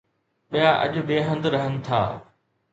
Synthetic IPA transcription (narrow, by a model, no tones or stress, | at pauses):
ɓijaʔɐ̰ʄʊ̆beːɦə̃nd̪ɾɐɦənɪ̆t̪ʰa̰ː